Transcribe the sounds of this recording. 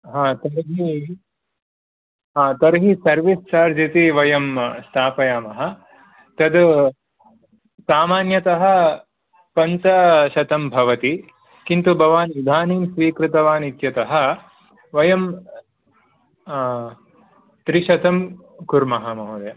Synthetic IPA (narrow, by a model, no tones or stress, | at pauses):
ɦãːt̪ɐɾɦi | ɦaːt̪ɐɾɦisɐɾʋist͡ʃaːɾd͡ʒit̪iʋɐjɐmst̪ʰaːpɐjaːmɐɦɐ̆ | t̪ɐd̪ | saːmaːnjɐt̪ɐɦɐ̆ | pɐnt̪ɐʃɐt̪ɐmbʱɐʋɐt̪i | kint̪ubʱɐʋaːnʋid̪ʱaːniːmsʋiːkɾɪt̪ɐʋaːnit̪jɐt̪ɐɦɐ̆ | ʋɐjɐm | t̪ɾiʃɐt̪ɐm | kuɾmɐɦɐmɐɦud̪ɐ